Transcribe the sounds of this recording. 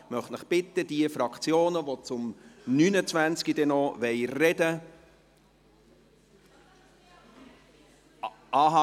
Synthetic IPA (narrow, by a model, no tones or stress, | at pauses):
mœχtnəχb̥ɪt̪ːəd̥iəfɾɑkʰt͡sjoːnəvot͡sʊmnyːnət͡svænt͡skid̥ɛnɔʋɛɪrɛdə | ɑːɦɑ